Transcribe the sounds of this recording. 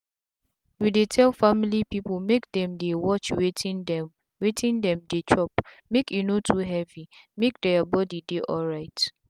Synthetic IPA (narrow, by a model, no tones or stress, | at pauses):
judetʰɛlfamilipipolmek̚dɛ̃mdewɔt͡ʃwetʰĩndɛm | wetʰĩndɛ̃mdet͡ʃɔp | mekjunotʰuɦɛvimek̚dɛabɔdideʔɔlɹaɪt